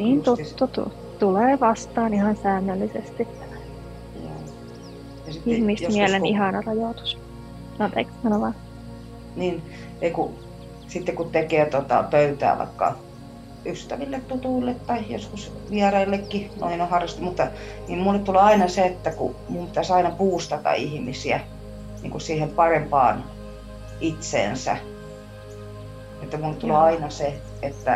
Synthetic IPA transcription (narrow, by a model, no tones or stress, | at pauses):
niːnt̪ut̪ːut̪ṵ | t̪uleːʋɑst̪ɑːnihɑnsæːnːølːisḛst̪it̪ː | jo̰ː | jɑsiihmismiælenihɑnɑrɑjoˑt̪u̥s | ɑnt̪ḛkːɑnoʋɑ | niːn | eiku | sit̪ːekutt̪ekeːt̪ot̪ɑ̰pøyt̪æ̰ːʋɑ̰ikːɑ̰ | yst̪æʋilːet̪t̪ut̪uilːet̪t̪ɑijo̰skusʋiærɑilːekːino̰inohɑrːɑst̪umut̪ːɑ | niːmmulːet̪t̪uleɑinɑseet̪ːækṵmumpi̥t̪æsɑinɑpuːst̪ɑt̪ɑ̰ihmisiæ | nḭːŋkusiːhempɑrempɑ̰ːn | it̪sḛːnsæ̰ | et̪ːæmulːet̪t̪uleɑinɑse | et̪ːæ